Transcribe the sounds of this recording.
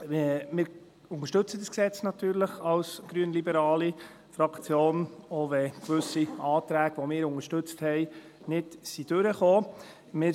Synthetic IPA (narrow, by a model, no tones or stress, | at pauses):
mɪːɾ | ʊŋəɾʃtɵt͡sədəsksɛt͡snɑt̪yːɾləχɑlsɡ̥ɾyənlibəɾɑːli | fɾɑkt͡sjoːnoʋɛkʋʏsiɑːt̪ɾæːɡ̥ʋomɪːɾʊŋəʃtɵt͡sthɛɪ | nɪd̥sid̥ʉɾəχoː | mɪː